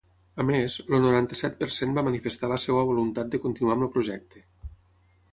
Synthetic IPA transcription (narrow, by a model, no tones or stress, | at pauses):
əmezlonuɾant̪əsɛt̪̚pəɾsembamənifest̪aləsewəβolunt̪at̪̚d̪əkont̪inuaməpɾoʒɛk̚t̪e